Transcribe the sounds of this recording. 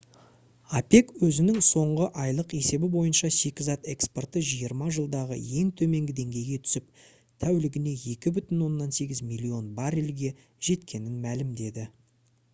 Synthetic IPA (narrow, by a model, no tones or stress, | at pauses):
ɑpe̞kwɵzɪnɪŋso̞ɴʁəʔɑjlˠəqe̞se̞bɪbo̞jənʃɑse̞kʲɪzɑt̪e̞kspo̞rt̪əʒijəɾmɑʒəlˠd̪ɑʁə̰je̞ŋt̪ʰɵme̞ŋɡʲɪd̪e̞ŋɡʲe̞jɡʲe̞t̪ʰʏ̥sɪp | t̪ʰæwlɪɡʲɪne̞je̞kʲɪbʏt̪ɪnwo̞nːɑnse̞ɡʲɪzmʲilʲːio̞nbɑɾelɡʲe̞ | ʒ̥e̞t̪kʲʰe̞nɪnmælɪmd̪e̞d̪ɪ